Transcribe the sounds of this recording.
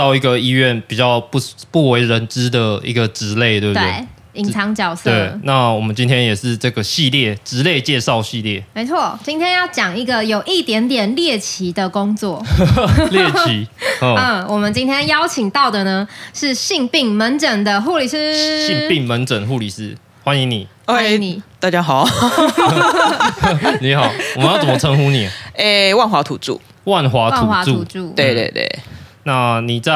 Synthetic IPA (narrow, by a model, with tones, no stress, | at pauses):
t̪ɑ˥˧ʊi˧˥ɡə˨i˥ɥɛ˥˩npi˨˩t͡ɕjɑ˥˧ʊpu˥˩pu˥˩we˧˥ɪɻə˧˦nʈ͡ʂɻ̩˥d̪ə˨ḭ˧˥ɡə˨ʈ͡ʂɻ̩˧˥le˥˩ɪt̪we˥˩bt̪ḛ˥˩ɪ˩ | i˨˦ŋt͡sʰɑ˧˥ŋt͡ɕjɑ˨˩ʊsʰte˥˩˨na˥˩wɔ˨˩mə˦nt͡ɕi˥nt̪ʰjɛ˥njɛ˨˩ʂɻ̩˥˧ʈ͡ʂɤ˥˩ɡə˩ɕi˥˧ljɛ˥˩ʈ͡ʂɻ̩˧˥le˥˧ɪt͡ɕjɛ˥˧ʂɑ˥˧ʊɕi˥˧ljɛ˥˩me˧˥ɪt͡sʰwɔ˥˨˩t͡ɕi˥nt̪ʰjɛ˥njɑ˥˩ʊt͡ɕjɑ˨˩ŋi˧˥ɡə˨jo˨˩ʊʔi˥˩t̪jɛ˧˥nt̪jɛ˨˩nljɛ˥˩t͡ɕʰi˧˥d̪ə˨ko˥ŋt͡swɔ˥˩ljɛ˥˩t͡ɕi˨˥˦ə˥˩wʔɔ˨˩mə˨˦nt͡ɕi˥nt̪ʰjɛ˥njɑ˦ʊt͡ɕʰi˨˩ŋt̪ɑ˥˨ʊd̪ə˩nə˦ʂɻ̩˥˧ɕi˥˧ŋpi˥˩ŋmə˧˥nʈ͡ʂə˨˩ŋd̪ə˦xu˥˧li˨˩ʂɻ̩˥ɕi˥˧pi˥˨˩ŋmə˨˦nt͡sə˨˩nɦu˥˩li˨˩s̩˥˦ | xwa˦ni˧˦ŋni˨˩ | e˥˦ŋni˨˩t̪a˥˧t͡ɕja˦ɦɑ˨˩˦ʊ | ni˨˦hɑ˨˩ʊ˨mə˦jt͡sə˩˨mə˧t͡sʰə˧˦ŋxu˦˥ni˨˩˦e˨wa˥˩nxwa˨˧˥t̪ʰu˨˩ʈ͡ʂṵ˥˩ | wa˥˨nxwa˧˥twa˥˨u˨nxwa˧˥tu˨u˨˧˩t͡su˥˩t̪we˥˧t̪wḛ˥˩t̪wḛ˥˩na˥˧ni˨˩t͡sa˥˨